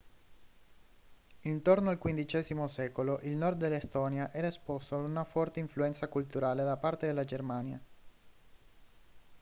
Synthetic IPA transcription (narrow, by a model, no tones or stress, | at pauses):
int̪ornoalkwind̪it͡ʃɛːzimosɛːkoloʔilnɔrd̪ːelːest̪ɔːnjaʔɛːɾaespɔst̪oad̪unafɔrt̪eiɱfluɛnt̪sakult̪uɾaːled̪apart̪ed̪elːad͡ʒermaːnja